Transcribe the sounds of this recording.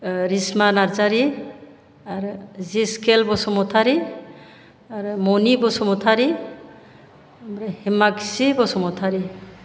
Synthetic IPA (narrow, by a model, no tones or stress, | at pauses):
ɾismanaɾzaɾi | aɾziskʰelbɔsɔmɔt̪ʰaɾi | aɾumɔnibɔsɔmɔt̪ʰaɾi | ɾhimakisibɔsɔmɔt̪ʰaɾi